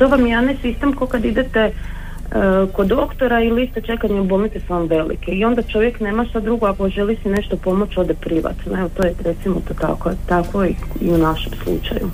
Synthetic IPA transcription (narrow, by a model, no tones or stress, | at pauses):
t̪o̞ʋamjjanesist̪emkokad̪id̪et̪e | kod̪okt̪o̞ɾailist̪et͡ʃe̞kaɲeubomit̪esamʋe̞lḭkeio̞nd̪at͡ʃo̞ʋjekne̞ːmaʃt̪ad̪ɾuɡoako̞ʒelisine̞ʃt̪o̞po̞mo̞t͡ɕo̞d̪epɾiʋa̰t̪noeʋot̪oːjeɾet̪simot̪ot̪a̰kot̪akʋoiḭunaʃemslˠṵt͡ʃa̰jṵ